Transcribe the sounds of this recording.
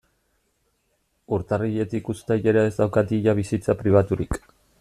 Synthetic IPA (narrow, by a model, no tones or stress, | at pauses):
uɾt̪ariʎe̞t̪ikust̪ajʎeɾaezd̪awkat̪iʎaβ̞isit͡sapɾiβ̞at̪uɾik